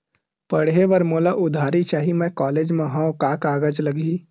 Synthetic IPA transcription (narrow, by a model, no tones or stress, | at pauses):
pəɽɦeʋəɾmoːlaʔʊd̪ʱaːɾit͡ʃaːɦimẽkɔːleːd͡ʒmẽɦãkaːkaːɡəd͡ʒləɡiː